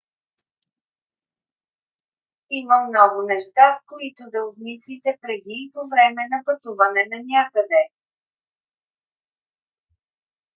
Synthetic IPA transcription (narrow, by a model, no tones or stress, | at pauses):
iməmnɔɡʊnɛʃt̪afkoit̪ʊd̪ɐob̪mislit̪ɛpɾɛd̪ipovɾɛmɛnɐpɐt̪uvɐnɛnɐnʲakəd̪ɛ